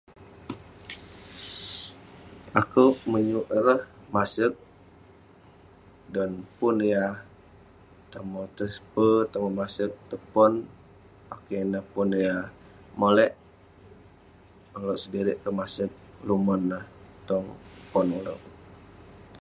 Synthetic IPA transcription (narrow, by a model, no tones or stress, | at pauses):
akəwʔməɲuʔɾəhmasək̚ | danpunja | t̪əmɔt̪əspət̪əmomasək̚t̪əpɔn | pakenəhpunja | molɛʔ | uloʔsədiɾɪʔkəmasək̚lumənːəht̪ɔŋəpɔnulo̰ʔ